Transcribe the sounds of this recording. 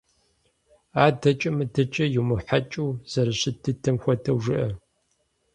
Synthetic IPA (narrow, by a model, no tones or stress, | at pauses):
aːdɐt͡ʃʼɐmɨdɐt͡ʃʼɐjumɨħat͡ʃʼuːz̥ɐɾɐɕɪtʰɨtʰɐmxʷɔtʰɐwʒɨʔɐ